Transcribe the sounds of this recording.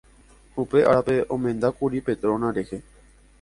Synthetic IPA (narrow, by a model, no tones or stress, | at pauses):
hupe̞ʔa̰ɾape̞ʔõmẽ̞nd̪akuɾipe̞t̪ɾõ̞nãɾehe̞